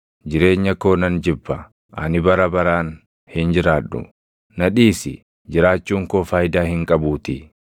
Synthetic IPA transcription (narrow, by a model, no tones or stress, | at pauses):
d͡ʒɪɾe̞ːɲːɐko̞ːnɐnd͡ʒɪbːɐ | ʔɐ̰nɪbɐɾɐbɐɾaːn | hɪnd͡ʒɪɾaːᶑːʊ̰ | nɐᶑiːsɪ̰ | d͡ʒɪɾaːt͡ʃːuːŋkoːfaːjd̪aːhɪŋkʼɐbuːt̪ɪ